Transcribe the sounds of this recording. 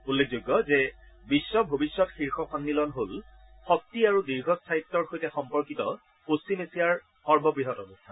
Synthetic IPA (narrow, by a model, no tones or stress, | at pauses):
ulːek̚ʰzojɡjɔzɛ | bisːɔbʱobisːɔtxiɹxɔxɔnːilɔnɦol | xɔk̚tiaɹudiɹɡʱɔstʰaitːɔɹxojtɛxɔmpɔɹkitɔ | post͡ʃimesijaɹ | xɔɹbɔpɹiɦɔtɔbostʰa